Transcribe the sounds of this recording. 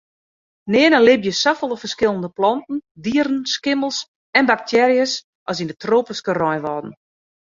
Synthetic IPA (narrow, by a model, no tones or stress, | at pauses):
nɪənəlɪbjəsafəlˠəfərskɪlˠəndəplɔntn̩diəɾn̩skɪməlˠs | ɛnbak̚tʰɛɾjəs | ʔɔsindətroːpəskərɔjʋɔdən̩